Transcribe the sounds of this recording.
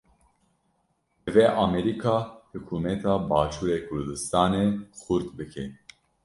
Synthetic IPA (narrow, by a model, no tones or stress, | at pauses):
ɨveʔɑːmɛɾikʰɑːhɨkʰuːmɛt̪ʰɑːbɑːʃuːɾeːkʰʊɾd̪ɨst̪ɑːnexʊɾt̪bɨkʰe